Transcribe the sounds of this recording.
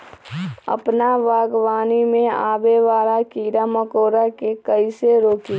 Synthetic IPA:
ə̰pnaʋaːɡʋaːnimẽaːbeʋaːɾakiːɾaməkoːɾakekəiseɾoːkiː

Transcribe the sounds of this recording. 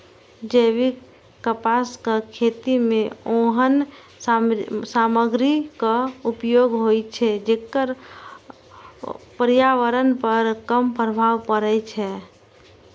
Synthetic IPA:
d͡ʒeʋi | kəpaskakʰet̪imẽoɦən | saməɡɾikaupjoːɡɦojt͡ʃʰɛd͡ʒekːəɾ | pəɾijaʋəɾənpəɾkəmpɾəbʱaʋpəɾɛt͡ʃʰɛ

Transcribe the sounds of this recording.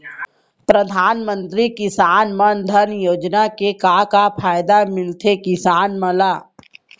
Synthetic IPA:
pɾəd̪ʱaːnmə̃nt̪ɾikɪsaːnmənd̪ʱɐɾnjoːd͡ʒnakekaːkapʰaːjd̪amɪlt̪ʰekɪsaːnməlaː

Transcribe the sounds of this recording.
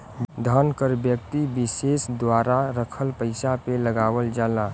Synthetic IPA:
d̪ʱənkəɾbjəkt̪ibɪsesd̪waɾaɾəkʰəlpəɪsapeləɡaːwəld͡ʒaːla

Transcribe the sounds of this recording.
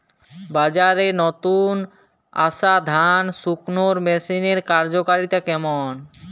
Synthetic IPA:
bad͡ʑaɾenɔt̪un | a̰ʃad̪ʱansuknoɾmesineɾkaɾd͡ʑokaɾit̪akɛmon

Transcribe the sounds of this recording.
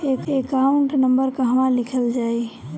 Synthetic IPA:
eːkekaɳʈnə̃mbəɾkəɦmãlɪkʰəld͡ʒaːi

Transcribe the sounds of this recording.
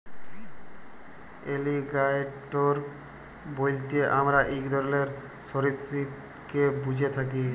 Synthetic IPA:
eliɡajʈoɾ | bojlt̪eʔamɾaʔikd̪ɔɾleɾ | soɾisɾi | kebud͡ʑʱet̪ʰak̬i

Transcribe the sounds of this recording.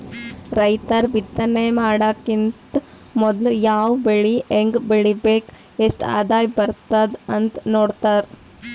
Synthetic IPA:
ɾɐjt̪ɐɾbit̪ːɐneːmaːɽaːkint̪ | mɔd̪ljaːwbeɭieŋɡbeɭibeːk | eːsʈa̰ːd̪aːjbɐɾt̪ɐd̪ɐnt̪noːɽt̪ɐɾ

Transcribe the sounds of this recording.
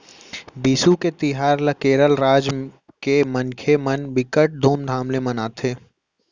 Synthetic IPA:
biːsuket̪ɪɦaːɾlɐkeːɾəlɾaːd͡ʒ | kemənkʰemənbɪkəʈ̚d̪ʱoːmd̪ʱaːmlemɐnaːt̪ʰeː

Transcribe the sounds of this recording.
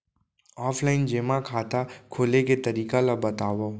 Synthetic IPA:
ɔːpʰlaːɪnd͡ʒeːmakʰaːt̪akʰoːleket̪əɾiːkalabɐt̪aːʋoː

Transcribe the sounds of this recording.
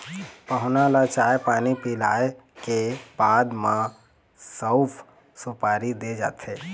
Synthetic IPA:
pəɦʊnalat͡ʃaːjpaːnipila̰ːe | keb̥aːd̪mã | səwpʰ | supaːɾid̪ed͡ʒa̰ːt̪ʰeː

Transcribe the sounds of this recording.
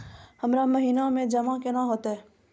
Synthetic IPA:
hɐmɾamɐɦiːnamẽd͡ʒɐmãkenaɦoːt̪aɦɛː

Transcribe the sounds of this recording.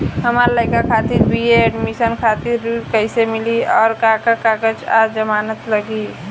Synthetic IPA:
ɦəmaɾləɪkakʰaːt̪ɪɾbieɛɖmisənkʰaːt̪ɪɾkəɪsemɪliɔːɾkakakakət͡ʃa̰ːd͡ʒəmaːnət̪ləɡi

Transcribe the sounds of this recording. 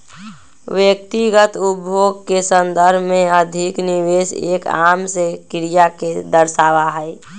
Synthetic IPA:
ʋjək̚t̪iɡət̪ubʱjoːɡkesə̃nd̪əɾbʱmẽəd̪ʱikniʋeːsḛːka̰ːmsekɪɾijaked̪əɾʃaːʋaɦɛe

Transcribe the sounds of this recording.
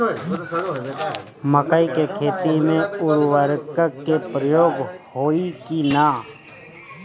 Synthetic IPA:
məkəikekʰeːt̪imẽʊɾwəɾkəkːepɾəjoːɡhoːikinaː

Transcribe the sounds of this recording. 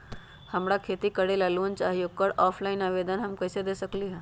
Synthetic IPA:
həmɾakʰeːt̪ikəɽelaːluənt͡ʃaːɦijokəɾɔːpʰlaːɪnaʋeːd̪ənɦəmkəːsed̪eːsəkliɦɛ̃ː

